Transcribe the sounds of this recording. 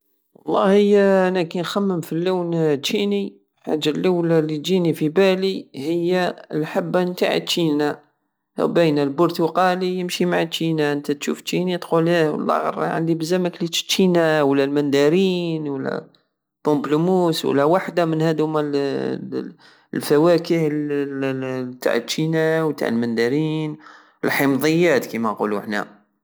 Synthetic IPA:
wɑlˤːɑhəjːæænækænxæmːəmfilːuːnt̪ːini | ħa̰ʒːalːawlalit̪d͡ʒinifibælihəjːalħabːnt̪a̰ʕḭt̪ːʃina̰ | wbəjnælbʊɾt̪uqɑlijəmʃimaʕat̪ːinaʔənt̪æt̪ʃṵft̪ːinit̪qulæw̰lːɑ̰ɣɑ̰ɾˤɑ̰ʕa̰nd̪ibəzæməkli̥t̪ːinawəlːælmænd̪aɾiːnwəlːæ̰ | bʊmblumuːswə̰lːæwaħd̪amənhæd̪hʊmæl | lfæwækəhl | t̪a̰ʕət̪ːʃinawt̪a̰ʕəlmænd̪aɾin | əlħəmðˤəjːæːt̪kimæqṵluħnæ̰

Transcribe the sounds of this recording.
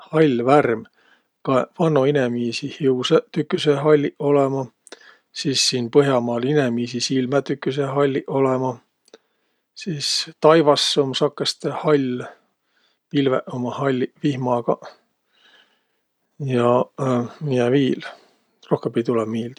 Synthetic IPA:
hɑlʲværm | kɑvɑnːoinemiːsihiuset̪ykːyseɦɑlʲːiʔo̞lemɑ | siːsːiːnpɤɦjɑmɑːlinemiːsisilmæt̪ykːˑyseɦɑlʲːiʔo̞lemɑ | siːst̪ɑjvɑsːomsɑkːˑest̪ehɑlʲ | pilvḛʔomɑhɑlʲːvihmɑɡ̥ɑ | jɑ | mijeviːl | ro̞hkempijt̪ulɛmmiːld̥̪

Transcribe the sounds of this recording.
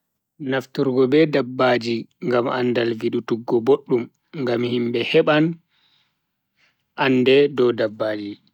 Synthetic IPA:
naftuɾɡɔbɛdabːad͡ʒiŋɡama̰nːdalviɗutuɡːɔboɗːum | ŋɡamhimbɛhɛɓan | ʔandɛdɔdabːaːd͡ʒi

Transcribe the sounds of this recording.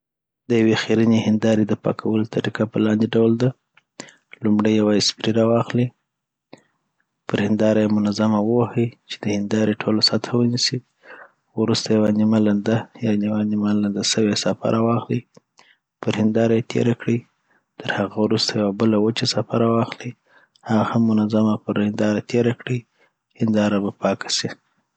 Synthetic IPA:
d̪əjawexiɾinehɪnd̪ɑɾid̪əpɑ̰kʰawəlot̪aɾikapəlɑnd̪eɖawld̪a | lumɽəjːawaɪspɾiɾawɑxli | pəɾhɪnd̪ɑɾajemʊnazamawəwahəjt͡ʃe̥d̪əhɪnd̪ɑɾeʈʰolosat̪ʰawənisi | wɾust̪ajawanimaland̪ajɑniwanimaland̪asəwesafa̰ɾʔawɑxli | pəɾhɪnd̪ɑɾajet̪ʰḛɾakɽi | t̪əɾhaɣawɾust̪ajawabəlawət͡ʃasafaɾawɑxli | haɣahamːʊnazamapəɾhɪnd̪ɑɾat̪ʰeɾakɽi | hɪnd̪ɑɾabapɑkḁsi

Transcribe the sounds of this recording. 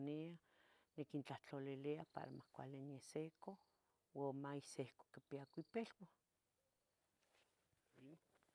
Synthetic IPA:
nia | nekint͡ɬaht͡ɬoliliapa̰ɾa̰mahkʷa̰lenjeseko | wamaisehko̥kipiakipelwa

